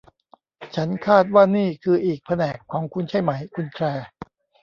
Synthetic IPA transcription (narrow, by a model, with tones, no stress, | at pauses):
t͡ɕʰa˦˥nkʰaː˥˩t̪̚waː˥˩niː˥˩kʰɯː˧ʔiː˨˩k̚pʰa˧nɛː˨˩kʰːɔː˩˦ŋkʰu˧nt͡ɕʰa˥˩jma˩˦jkʰu˧nkʰlɛː˧